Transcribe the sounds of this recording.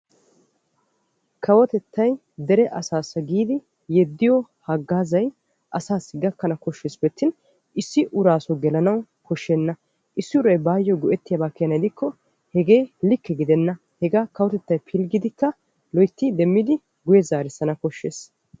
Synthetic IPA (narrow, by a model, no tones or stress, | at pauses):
kʰɐwɔt̪ɛt̪ʰːɐj | d̪ɛɾɛʔɐsaːsɐɡiːd̪ɪ | jɛd̪ːɪjɔhɐɡːaːzɐj | ʔɐsaːsːɪɡɐkːɐnɐkɔʃːeːsbɛt̪ːɪn | ɪsːɪʔʊɾaːsɔɡɛlɐnɐw | kɔʃːenːɐ | ʔɪsːɪʊɾɐjbaːjːɔɡɔʔɛt̪ːɪjɐbaːkːɪjɐnɐjd̪ɪkːɔ | hɛɡe̞ːlɪkːɛɡɪd̪ɛnːɐ | hɛɡaːkɐwɔt̪ɛt̪ːɐjpʰɪlɡɪd̪ɪkːɐ | lɔjt̪ːɪd̪ɛmːɪd̪ɪ | ɡʊjɛzaːɾɪsːɐnɐkɔʃːeːs